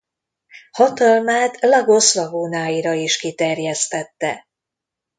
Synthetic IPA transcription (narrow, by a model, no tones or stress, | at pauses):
hɒt̪ɒlmaːt̪lɒɡo̞slɒɡoːnaːjiɾɒiʃkit̪ɛrjɛst̪ɛt̪ːɛ̰